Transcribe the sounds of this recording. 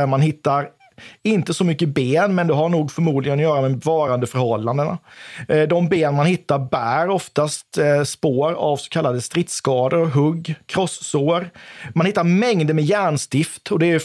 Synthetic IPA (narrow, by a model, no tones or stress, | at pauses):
manɦɪt̪ːaɾ | ɪnt̪əsɔmʏkːəbeːnmɛnd̪ɛɦaɾɳuːɡfœɾmuːd̪lɪɡənɔjœːɾamɛvɑːɾand̪əfœɾhɔlːand̪əna̰d̪ɔmbeːnmanhɪt̪ːaɾbæːɾɔft̪ast̪spoːɾavsɔ̥kʰalːad̪əst̪ɾɪt̪skɑːd̪əɾɔɦɵɡːkʰɾɔsːoːɾmanhɪt̪ːaɾmɛŋd̪əmɛjæːɳst̪ɪft̪ɔd̪ɛæɾjɵ